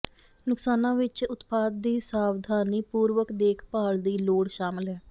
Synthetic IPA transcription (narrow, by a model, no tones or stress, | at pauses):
nʊksaːnãːʋɪt͡ʃʊt̪paːd̪̚d̪iːsaːʋd̪ʱaːniːpuːɾʋəkd̪eːkʰpaːld̪iːloːɽʃaːmɪlɦɛː